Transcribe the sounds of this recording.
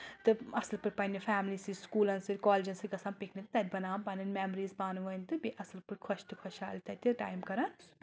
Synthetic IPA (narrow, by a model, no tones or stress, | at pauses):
t̪ɨɐslpɨɾpɐnʲipʰaːmliːsiskuːlɐnsiɾkɔːld͡ʒɐ̃nsɨɡɐsãːmpikʰnit̪ɨt̪ɐd̪ʲbɐnaːpɐnɐnmɛːmɾiːzbaːnuʋɐnt̪ɨbiʔɐslpɨɾkʰɐʃt̪ɨkʰɔʃaːlʲt̪ɐt̪ʲiʈa̰ːjmkɐɾan